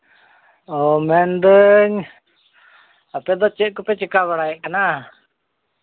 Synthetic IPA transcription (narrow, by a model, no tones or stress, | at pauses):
ɔmɛnd̪əɲ | apɛd̪ɔt͡ʃɛʔ̚kupɛt͡ʃikaβaɽajɛʔkana